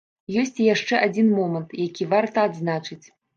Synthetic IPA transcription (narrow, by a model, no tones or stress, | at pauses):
jɔsʲt͡sʲijaʂt͡ʂɛʔad͡zʲinmɔmɐnt̪jakʲivart̪ɐːd̪znat͡ʂɨt͡sʲ